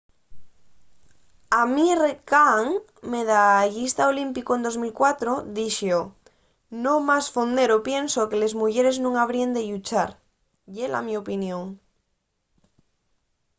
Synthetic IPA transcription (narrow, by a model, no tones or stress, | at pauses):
amirekaŋ | meðaʝist̪aolimpikoend̪o̞zmilkwat̪ɾoðiʃo | nõmasfond̪e̞ɾopje̞nsokele̞zmuʝeɾe̞znũŋaβ̞ɾiend̪eʎut͡ʃaɾ | ʝela̰miopinjõ̞ŋ